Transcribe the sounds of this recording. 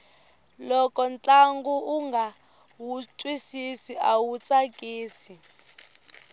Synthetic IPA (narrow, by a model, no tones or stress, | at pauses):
lɔkɔnt͡ɬaŋɡuuŋɡa | wut͡sʼwisisiawut͡sʼakʼiːsi